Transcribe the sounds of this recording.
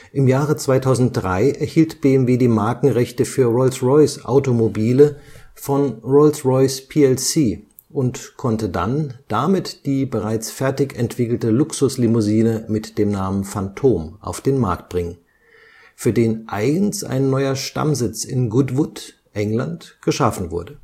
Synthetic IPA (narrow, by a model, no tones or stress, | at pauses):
ʔɪmjaːʁ̞ət͡sv̥aɪtʰaʊzn̩t̚d̥ʁaɪʔɛɐhiːltb̥eːɛmveːdiːmaɐkŋ̩ʁɛçtəfyːɐʁɔɪlsʁɔʏsʔa̰ʊtomobiːləfɔnʁɔlsʁɔʏspʰeːɛlsiː | ʔʊntkʰɔntəda̰nd̥amɪtd̥iːbəʁaɪt͡sfɛɐtɪçɛntv̥ɪkl̩təlʊksʊslimʊziːnəmɪtd̥eːmnaːmənfantʰoːmʔa̰ʊfd̥eːnma̰ɐk̚t̚b̥ʁɪŋən | fyːɐdeːnʔa̰ɪɡn̩sʔa̰ɪnːɔʏɐʃta̰mzɪt͡sɪnɡʊdvʊt | ʔɛŋlantɡ̥əʃafn̩vʊɐdə